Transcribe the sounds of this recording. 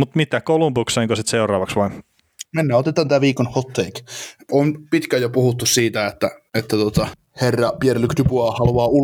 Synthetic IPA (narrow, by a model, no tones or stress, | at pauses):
mut̪mit̪ːˑækolumpukseiŋkosit̪seurˑɑːʋɑksʋɑn | menːæot̪et̪ːɑnt̪æːʋiːkonhot̪ːeikonpit̪kæjopuhut̪ːussiːt̪æet̪ːæet̪ːæt̪ot̪ɑ | herːɑpierlykt̪ypuɑhɑluɑːu